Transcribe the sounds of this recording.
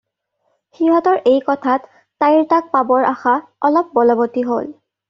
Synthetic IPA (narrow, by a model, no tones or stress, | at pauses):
xiɦɔtɔɹʔejkɔtʰatː | ajɹtak̚pabɔɹʔaxaɔlɔp̚bɔlɔbotiɦo̰l